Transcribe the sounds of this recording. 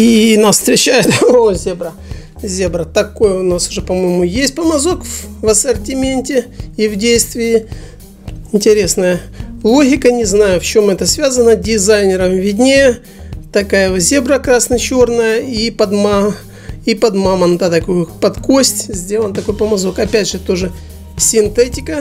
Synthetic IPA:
inafst̪ɾʲɪt͡ɕæjɪt̪ozʲebɾə | zʲebɾət̪ɐkojəʊnasʊ̥ʐɛpɐmo̞jɪmʊjesʲt̚ʲpəmɐzo̞kvɐsərtʲɪmʲenʲtʲɪivdʲejst̪vʲɪɪ | ɪnʲtʲɪɾʲe̞snəjəlˠo̞ɣʲɪkənʲɪznajʊft͡ɕo̞mɛt̪əsvʲazənədʲɪzajnʲɪɾəmvʲɪdʲnʲejə | t̪ɐkajəzʲe̞bɾəkɾasnɐt͡ɕo̞rnəjəipɐd̪ma | ipɐd̪mamənd̪at̪ɐkojʊpɐt̪kosʲtʲzʲdʲe̞lˠənt̪ɐko̞jpəmɐzo̞kɐpʲædʲʐɨt̪o̞ʐɨ | sʲɪnt̪ɛtʲɪkə

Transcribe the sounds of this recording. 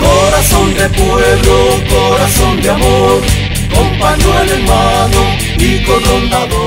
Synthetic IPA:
koɾasõnd̪epweβɾokoɾasõnd̪eamoɾ | kompaɲoaleɾwaðo | ikoont̪aðo

